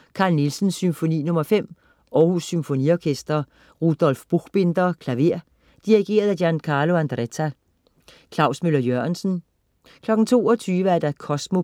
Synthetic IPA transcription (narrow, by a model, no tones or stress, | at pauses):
kʰɑ̈ːlnilsn̩sːymfo̝nḭːnɔ̽mɐfem̰ | ɒːhusːymfo̝nḭɒkʰesd̥ɐ | ʁud̥ɒ̽lfb̥uɡ̥b̥e̝nd̥ɐkʰlæʋe̝ɐ̰ | d̥iʁiɡ̥e̝̰ːɐð̞ˠæjænkʰɑ̈ːlo̝ænd̥ʁet͡sʰæ | kʰlɑ̈ʊsmølɐjøɐnsn̩ | kʰlɒ̽ɡ̥n̩t͡sʰo̝̰ːɒ̽t͡sʰyːʋəæɐd̥ɑkʰɒ̽smo̝